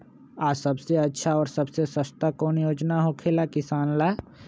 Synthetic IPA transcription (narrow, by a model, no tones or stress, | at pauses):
aːsɐbseɐtːʃʰaɔːɾsɐbsesəst̪akoːnjoːd͡ʒnaɦokʰelakɪsaːnlaː